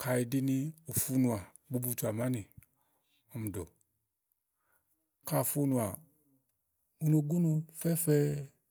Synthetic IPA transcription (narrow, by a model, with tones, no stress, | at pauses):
ka˧˨i˧di˧ni˧o˨fu˦nu˧a˨ | ɡ͡bu˦bu˧t͡ʃu˧˨a˨ma˦ni˨ | ɔ˨˧mu˨do̰˨ | ka˧˨fu˦nu˧a˨ | u˧no˧˨ɡu˦nu˧fɛ˦fɛ˦˧